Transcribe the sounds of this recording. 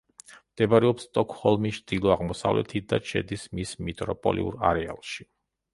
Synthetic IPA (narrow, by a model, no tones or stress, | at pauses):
md̪̥ɛbaɾɛɔpst̪ʼɔkʰʼhɔlˠmit͡ʃʰd̪̥ilˠɔaʁmɔsa̰vlɛ̰t̪ʰid̪at͡ʃʰɛ̰d̪ismismit̪ʼɾɔpʼɔ̰lḭṵɾaɾɛa̰lˠʃi